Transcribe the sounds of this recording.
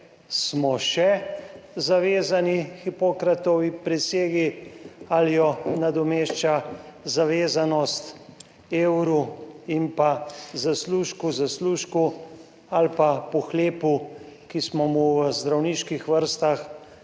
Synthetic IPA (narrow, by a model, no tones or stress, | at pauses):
smɔʃɛ | zaʋeːzanixipokɾat̪ɔwipɾɛseːɡialjɔnad̪ɔmeʃt͡ʃazaʋeːzanɔst̪ | eːwɾuimpazasluːʃkuzasluʃku | alpapɔxleːpu | kismɔmuwzd̪ɾawniːʃkixʋəɾst̪ax